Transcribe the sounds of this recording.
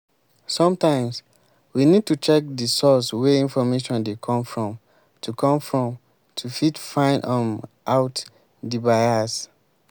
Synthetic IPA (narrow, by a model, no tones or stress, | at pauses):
sɔ̃mtãɪ̃ms | winid̚tut͡ʃɛk̚disɔswɛĩnfɔmeʃɔ̃ndekʰɔ̃mfɹɔ̃m | tʰukʰɔ̃mfɹɔ̃m | tʰufitfãɪ̃ndɔ̃mʔaʊt | dibaɪas